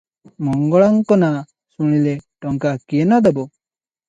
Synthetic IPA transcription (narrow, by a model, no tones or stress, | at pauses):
mɔŋɡɔɭaŋkɔna | suɽ̃ileʈɔŋkakijenad̪ɔbɔ